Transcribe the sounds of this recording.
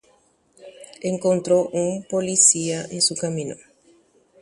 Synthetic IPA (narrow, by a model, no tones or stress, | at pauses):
ẽŋkõnt̪ɾoʔũŋpolisiaʔẽŋsukamĩno